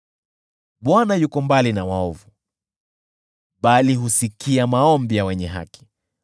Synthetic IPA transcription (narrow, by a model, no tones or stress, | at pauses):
ɓwanajukɔmbalinawaɔvu | ɓaliɦusikiamaɔmbijawɛɲɛɦa̰ki̥